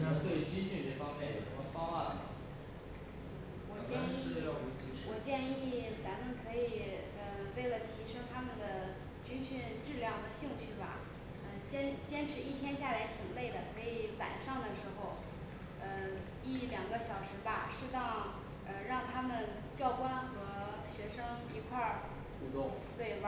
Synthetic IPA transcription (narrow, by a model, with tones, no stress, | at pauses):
na˥˩t̪we˥˩ɪ˧˥t͡ɕi˥nɕy˥˧ʈ͡ʂe˥˩ɪfɑ˥ŋmjɛ˥˩jo˨˩ʊə˧˥mə˧fɑ˥ŋa˥˩ə˩˥ | wɔ˨˩t͡ɕjɛ˥˧ni˥˩˥u˧˥t͡ɕi˥˧wɔ˨˩t͡ɕjɛ˥˧ni˥˩t͡sa˧˥nmə˨nkʰɤ˧˥i˨˩ | ə˧we˥˩ɪlə˩t̪ʰi˧˥ʂɤ˥ŋt̪ʰa˥mə˨nd̪ə˩ | t͡ɕy˥nɕy˥˧nʈ͡ʂɻ̩˥˧ljɑ˥˩ŋd̪ə˩ɕi˥˧ŋɕʰy˥˩bɐ̰˩ | ə˧t͡ɕjɛ˥nt͡ɕjɛ˥nʈ͡ʂʰɻ̩˧˥i˥˩t̪ʰjɛ˥nɕja˥˩la˧˥ɪt̪ʰi˨˩ŋle˥˩ɪd̪ə˩kʰɤ˧˥i˧˩wa̰˨˩nʂɑ˥˩ŋd̪ə˩ʂɻ̩˧˥xo˧ʊ | ə˧ | i˥˩ljɑ˨˩ŋɡə˦ɕjɑ˨˩ʊʂɻ̩˧˥bɐ˧ʂɻ̩˥˧t̪ɑ˥˧ŋ | ə˧ɻɑ˥˩ŋt̪ʰa˥mə˨n | t͡ɕjɑ˥˩ʊkwa˥nxɤ˧˥ | ɕɥɛ˧˥ʂɤ˥ŋ | i˧˥kʰwa˥˩ | ʈ͡ʂʰu˧˥t̪ʊ˥˩ŋ | t̪we˥˩ɪba